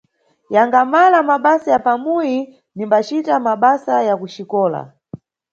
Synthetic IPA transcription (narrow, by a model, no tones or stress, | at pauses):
jaŋɡamalamaɓasajapamuji | nimbat͡ʃitamaɓasajakuʃikɔːla̰